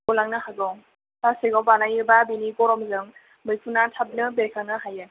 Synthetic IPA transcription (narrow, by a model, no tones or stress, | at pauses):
olaŋnɯɦaɡɔŋ | taseɡɔwpanajɯbabinikɔɾɔmzɯŋ | mɯjpʰunatʰap̚nɯbesʰanɯɦajɯ